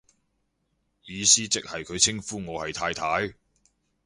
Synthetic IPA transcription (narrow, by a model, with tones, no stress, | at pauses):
jiː˨˧siː˥t͡sɪ˨k̚hɐ˨jkʰɵ˨˧ɥt͡sʰɪ˥ŋfuː˥ŋɔː˨˧hɐ˨jt̪ʰaː˧jt̪ʰaː˨˥j